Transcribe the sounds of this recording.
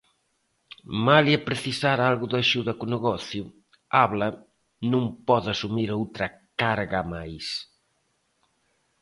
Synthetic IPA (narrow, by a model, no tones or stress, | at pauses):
maliapɾeθisaɾalɣʊðaʃuðɐkʊneɣɔθjʊ | aβlɐ | nũmpɔðasumiɾowt̪ɾɐkaɾɣɐmajs